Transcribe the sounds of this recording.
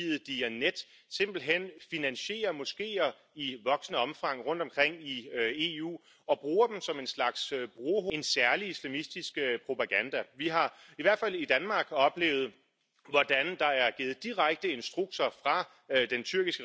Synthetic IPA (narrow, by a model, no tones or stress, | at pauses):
ið̩ˠd̥iæned̥ | se̝m̰b̥l̩ɦen̰finænɕe̝̰ːɐmɔ̽sɡ̥e̝̰ːɐ | iʋɒ̽ɡ̥sənəɒ̽mfɑ̈ŋ̰ʁɔ̽n̰d̥ɒmkʰʁeŋ̰ie̝ːṵː | ɒ̽b̥ʁuːɐd̥m̩sɒ̽me̝nslɑ̈ɡ̥sb̥ʁoɦoe̝nsæɐliislæmisd̥isɡ̥pʰʁo̝pʰɑ̈ɡ̥ænd̥æʋiɦɑ̈iʋæɐ̰d̥fælid̥ænmɑ̈ːɡ̥ɒ̽b̥le̝̰ːʊð̩ˠ | ʋɒd̥ænd̥ɑ̈æɐɡ̥iːð̩ˠd̥iʁaɡ̥̚d̥əe̝nsd̥ʁuɡ̥̚t͡sʰɐfʁɑ̈ | d̥ent͡sʰyɐɡ̥isɡ̥ə